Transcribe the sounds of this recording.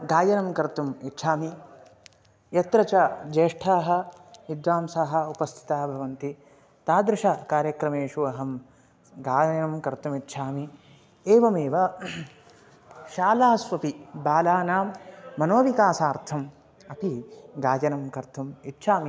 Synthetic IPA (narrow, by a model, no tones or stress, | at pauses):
ɡaːjɐnɐmkɐɾt̪umitːʃʰaːmi | jɐt̪ɾɐt͡ʃɐd͡ʒeːʂʈʰaːɦɐ̆id̪ʋaːmsaːɦɐ̆upɐst̪ʰi̥t̪aːbʱɐʋɐnt̪i | t̪aːd̪ɾɪʂɐkaːɾjɐkɾɐmeːʃuɐɦɐm | ɡaːjɐnɐmkɐɾt̪umit̪ːʃʰaːmi | eːʋɐmeːʋɐ | ʃaːlaːsʋɐpibaːlaːnaːmːɐnoːʋikaːsaːɾt̪ʰɐm | ɐp̪iɡaːjɐnɐmkɐɾt̪umitʃʰaːmi